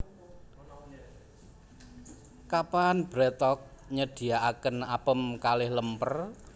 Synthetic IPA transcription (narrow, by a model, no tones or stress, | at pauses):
kapanb̥ɾɛt̪ɔk̚ | ɲəd̥i̤aakənapəmkalɪhləmpər